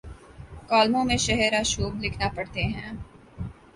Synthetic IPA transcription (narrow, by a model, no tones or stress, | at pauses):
kaːlmõmẽʃɛɦɛɾaʃoːblɪkʰnapɐɽt̪eɦɛ̰̃ː